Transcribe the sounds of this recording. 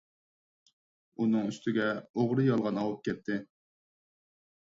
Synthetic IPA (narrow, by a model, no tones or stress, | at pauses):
unɨŋyst̪ʰɪɡʲɛoʁɾɨjɑlˠʁɑnɑwup̚kʲʰɛt̪ʰːɪ